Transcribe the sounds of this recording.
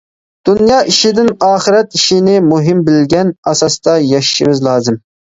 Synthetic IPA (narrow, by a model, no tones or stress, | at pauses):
d̪̥unjɑːʔiʃɪd̪ɪnɑːχɨɾɛt̪iʃɪnɪmuɦɪmbɪlɡʲɛnɑsɑst̪ɑjɑʃʃɪvɪzlˠɑːzɨm